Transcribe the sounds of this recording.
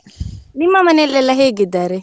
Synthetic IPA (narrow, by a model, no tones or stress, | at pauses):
nimːamanɛlɛlaɦeɡid̪aɾɛ